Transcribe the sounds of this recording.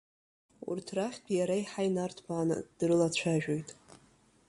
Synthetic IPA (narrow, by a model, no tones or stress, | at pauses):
ṵrtʰraχʲtʰjaɾaiħajnartʰbaːnɨ̰d̥rɨlat͡ɕʷʰaʒᶣojtʼ